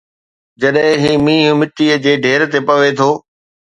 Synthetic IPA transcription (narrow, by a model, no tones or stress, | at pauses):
d͡ʑɐɗɦɪ̃ɦiːmĩːɦʊmɪʈiəd͡ʑeːɖʱeːɾt̪epɐʋet̪ʰoː